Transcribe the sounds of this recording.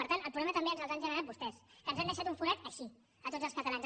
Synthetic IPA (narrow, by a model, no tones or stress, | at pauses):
əɾt̪anəlˠpɾuβlɛmət̪əmbeənzəlˠzanʒənəɾat̪̚bust̪ɛskənzanəʃat̪uɱfuɾɛt̪əʃi | ət̪od͡zəlspət̪əlanz